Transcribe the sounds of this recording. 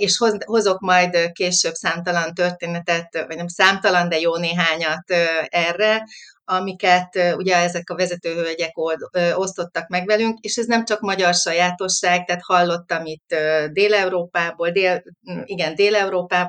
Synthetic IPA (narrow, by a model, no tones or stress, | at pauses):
eːʃhoho̞zo̞kmɒjd̪keːʃøbsaːmt̪ɒlɒnt̪ørt̪eːnɛt̪ɛt̪vɒɟnɛmsaːmt̪ɒlɒnd̪ɛjoːneːɦaːɲɒt̪øɛrːɛ | ɒmikɛt̪ːuɟɛɛzɛkɒvɛzɛt̪øːɦøɟɛkoøo̞st̪o̞t̪ːɒkmɛɡvɛlyŋkeːʃɛznɛmt͡ʃɒkmɒɟɒrʃɒjaːt̪o̞ʃːaːɡ̚t̪ɛːt̪hɒlːo̞t̪ːɒmit̪ːød̪eːlɛuɾoːpaːboːld̪eːliɡɛnd̪eːlɛuɾoːpaːb